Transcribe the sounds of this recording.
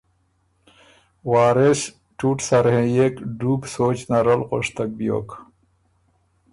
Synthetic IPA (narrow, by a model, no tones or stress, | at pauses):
waːɾes | ʈuʈsaɾhẽjekɖuːbsoːt͡ɕnaɾəlqoʂt̪ak̚bijo̰ːk